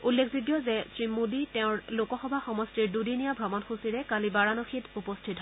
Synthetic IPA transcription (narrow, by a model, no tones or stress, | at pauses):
ulːekʰziɡjɔzɛsɹimuditɛʊ̃ɹlokɔxɔbʱaxɔmɔstiɹdudinijabʱɔmɔnxusiɹɛkalibaɹanɔxitupɔstʰitɦɔ